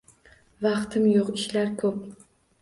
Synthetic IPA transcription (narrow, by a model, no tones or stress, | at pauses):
vɑqt̪ʰɪmjoqɪʃlaɾkʰɵp̚